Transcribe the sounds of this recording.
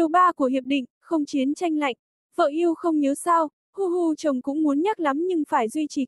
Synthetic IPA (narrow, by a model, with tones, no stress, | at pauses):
ɨ˨˩ɓaː˧ku˧˩əɦi˨˩əp̚ɗḭ̈˧˨ŋ̟xə˧wŋ͡mt͡ɕi˨˦ənt͡ɕa˧jŋla̰˧˨jŋ̟ | və̰ː˧˨ʔi˧əwxə˧wŋ͡mɲə˨˦wsa˧w | hu˧ɦu˧t͡ɕə˨˩wŋ͡mkʊ̰˧˥ŋ͡mmu˨˦ənɲə˦˥t̚la˨˦mɲɨ˧ŋfaː˧˩jzwi˧t͡ɕi˨˩